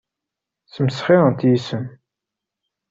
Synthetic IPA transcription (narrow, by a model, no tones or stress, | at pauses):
θəmsχiʁənt̪jisən